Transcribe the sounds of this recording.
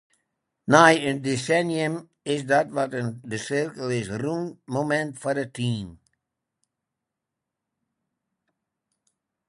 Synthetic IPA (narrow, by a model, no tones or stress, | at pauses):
najəndesɛnjəm | ɪsdɔtʋɔtəndəsɪrkəlˠɪsrunmomɛntfɔdətʰiːm